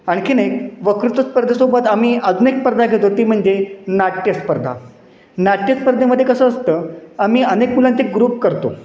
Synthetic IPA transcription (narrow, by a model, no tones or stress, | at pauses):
aɽ̃ikinekʋəkɾut̪əspəɾd̪ʱesobət̪amiːʔəd͡zuːnekspəɾd̪ʱaɡʱet̪ot̪iːm̤əɳd͡zenaʈjəspəɾd̪ʱa̰ | naʈjəspəɾd̪ʱeməd̪ʱːjekəsəːəst̪əːam̤iːənekmulãnt͡ɕeɡɾuːp̚kəɾt̪o̰